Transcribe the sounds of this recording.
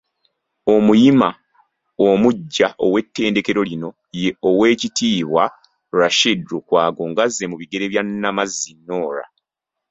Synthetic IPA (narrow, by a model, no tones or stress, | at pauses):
o̞mujima | omuɟːaʔo̞̰we̞tːe̞ːnde̞ke̞ɾo̞lino̞ | je̞owe̞ːcitiːβwa | ɾaʃidɾokwaːɡo̞ŋɡazːe̞muβiɡe̞ɾeβjanːamazːinːo̞ːɾa̰